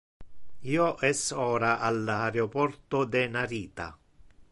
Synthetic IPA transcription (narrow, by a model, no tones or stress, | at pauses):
iːoʔɛsɔːɾaʔalaɾeopɔrt̪od̪ɛnaɾiːt̪a̰